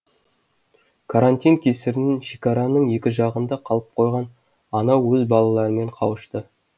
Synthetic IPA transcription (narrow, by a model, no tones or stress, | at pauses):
kʰaɾant̪ʲijnkʲʰesɪɾɪnɪnʃikaɾɑnəɴje̞kʲɪʒɑʁənd̪ɑqʰɑlˠəp̚qʰo̞jʁɑn | ɑnɑwːɵzbɑlˠɑlˠɑɾəme̞ɴqʰɑwəʃt̪ə